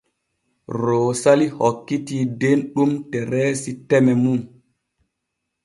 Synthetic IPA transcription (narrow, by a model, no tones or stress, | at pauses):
ɾoːsalihɔkːitiːdenɗumtɛɾɛsitɛmɛmun